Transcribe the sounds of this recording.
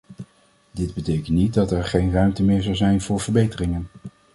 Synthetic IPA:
dɪd̚bətejkəntnit̚dɑtɛɹχejnrœɥmtəmɪːɹzɑwzɛjnvʊːɹvəɹbejtərɪŋən

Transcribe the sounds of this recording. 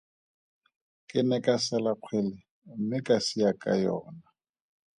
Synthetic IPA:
kʼɪnɛkʼasalaq͡χʰwɛlɪ | m̩mɪkʼasijakʼa̰jɔːna

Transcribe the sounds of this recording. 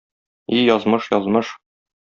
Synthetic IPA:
ijɒzmɤʃjɒzmɤʃ

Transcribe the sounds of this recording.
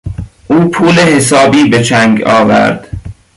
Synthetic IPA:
ʔuːpʰuːlehes̬ɒːbiːbet͡ʃʰæŋɡɒːvæ̰ɾd̪̥

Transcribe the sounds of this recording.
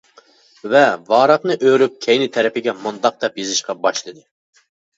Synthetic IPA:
vɛvɑːɾɑqnɨʔøɾyp̚kʲʰɛjnɪt̪ʰɛɾɛpɪɡʲɛmund̪ɑq̚d̪ɛpjezɪʃqɑbɑʃlˠɨd̪ɨ

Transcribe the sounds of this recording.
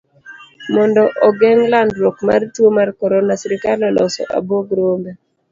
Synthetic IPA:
mɔndɔʔɔɡɛŋlandwokma̰rtwomarkɔɾɔnasiɾɪkalɔlɔsɔ̰ʔa̰boɡɾombe

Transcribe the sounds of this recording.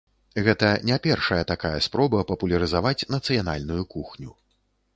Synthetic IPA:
ɣɛt̪ɐnʲapʲɛrʂɐjɐt̪akajɐspɾɔbɐpɐpulʲɐɾɨzavat͡sʲnɐt̪sɨjana̰lʲnujukuxnʲu

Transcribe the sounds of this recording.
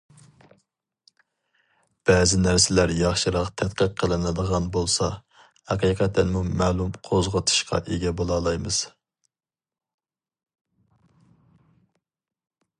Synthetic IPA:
b̥ɛzɪnæɾsɪlæɾjɑχʃɨɾɑqt̪ʰɛt̪qəqʰːəlˠɨnɨd̪əʁɑnbolˠsɑ | hæqiːqʰɛt̪ʰːɛnmumɛːlˠumqʰozʁət̪ʰɨ̥ʃqʰɑ̰ʔeɡʲɛbolˠɑlˠɑjmɨz̥

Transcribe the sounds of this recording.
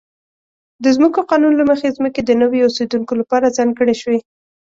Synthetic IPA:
d̪əzməkoqɑnunlaməxezməked̪ənəwjoosed̪uŋkolapɑɾazaŋɡəɽeʃwe

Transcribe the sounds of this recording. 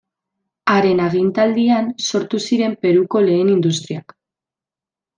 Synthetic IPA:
aɾe̞naɣ̞int̪ald̪ianso̞ɾt̪usiɾe̞mpe̞ɾuko̞le̞ːnind̪ust̪ɾiak

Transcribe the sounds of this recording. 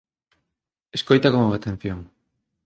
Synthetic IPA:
eskojt̪akomoat̪ẽn̟θjoŋ

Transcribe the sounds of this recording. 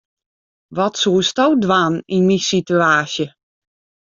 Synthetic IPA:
ʋɔtsuːəstowdwaninmisityaːsjə

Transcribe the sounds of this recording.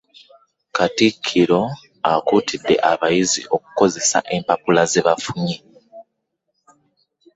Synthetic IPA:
katikʰːiɾo̞ | akuːtidːe̞̰ʔaβajizḭʔo̞ku̥ko̞ze̞sa̰ʔe̞mpapulazeβafuɲe

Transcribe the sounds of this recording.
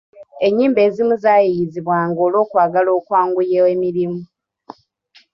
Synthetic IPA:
e̞ɲːiːmbe̞ːzimuzaːjijiziβwaːŋɡo̞ːlo̞ːkwaːɡalo̞ːkwaːŋɡujewemiɾimu

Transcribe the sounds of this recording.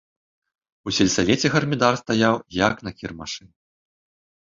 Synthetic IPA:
usʲɛlʲsalʲɛt͡sʲɛɣɐrmʲid̪arst̪ajawjaknɐkʲirmaʂɨn

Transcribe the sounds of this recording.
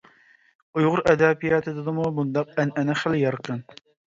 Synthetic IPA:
ujʁʊɾʔɛd̪æpijɑːt̪ʰɨd̪ɨd̪ɨmubund̪ɑq̚ænɛnɛχæljɑɾqʰən

